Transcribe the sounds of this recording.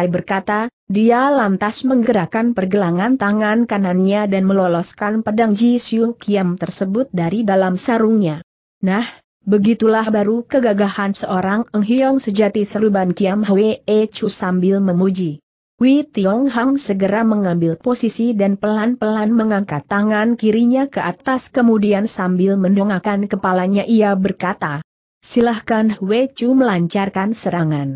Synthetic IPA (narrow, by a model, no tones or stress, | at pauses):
ajbərkat̪a | dialant̪asməŋɡəɾakanpərɡəlaŋant̪aŋankananɲadanməlɔlɔskanpadaŋd͡ʒisiukiamt̪ərsəbʊt̪̚daɾidalamsaɾuŋɲa | nah | bəɡit̪ulahbaɾukəɡaɡahansəʔoɾaŋəŋɦiɔŋsəd͡ʒat̪isəɾubankiamɦəweet͡ʃusambɪlməmud͡ʒi | wit̪iɔŋɦaŋsəɡəɾaməŋambɪlposisidanpəlanpəlanməŋaŋkat̪ːaŋankiɾiɲakəat̪askəmudiansambɪlməndɔŋakankəpalaɲaʔiabərkat̪a | silahkanwet͡ʃuməlaɲt͡ʃarkansəɾaŋan